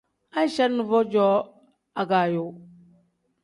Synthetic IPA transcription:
a˦n˦ʃa˦ɾnu˨vo˦d͡ʒo˦ | a˨ɡa˨jo˨

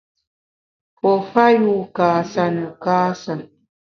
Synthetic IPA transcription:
pɔ˨fa˦ju˦kaː˨sa˦nə˨kaː˦sa˨n

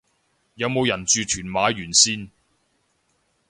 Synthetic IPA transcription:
jɐ˨˧wmo˨˧wjɐ˨˩nt͡ʃyː˨˧t̪ʰyː˨˩nmaː˨˧jyː˨˩nsiː˥n

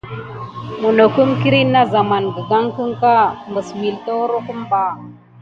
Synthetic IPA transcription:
mu˨no˨ku˦mki˦ɾi˦nːa˦za˨ma˨nɡə˨ɡa˦ŋkə˦ŋka˦mbə˨smi˨lto˦ɾu˦ku˦mba˦

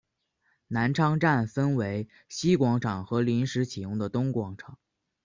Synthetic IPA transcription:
na˧˥nʈ͡ʂʰɑ˥ŋʈ͡ʂa˥˩nfə˥nwe˧˥ɪ | ɕi˥kwɑ˧˥ŋʈ͡ʂʰɑ˨˩ŋxɤ˧˥li˧˥nʂɻ̩˧˥t͡ɕʰi˨˩jʊ˧˥ŋd̪ə˨t̪ʊ˥ŋkwɑ˧˥ŋʈ͡ʂʰɑ˨˩˦ŋ

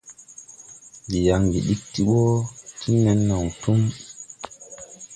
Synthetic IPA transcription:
ɡi˨ja˨ŋɡḭ˨ɗi˦k̚ti˦ɓo˦tʰi˦nːɛ˨nːa˨wtu˦m

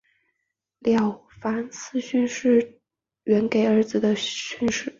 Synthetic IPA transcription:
ljɑ˨˩ʊfa˧˥nsɹ̩˥˧ɕy˥˧nʂɻ̩˥˩ | ɥɛ˧˥nke˨˩ɪə˞˧˥d͡zɹ̩˩d̪ə˩ɕy˥˧nʂɻ̩˥˩

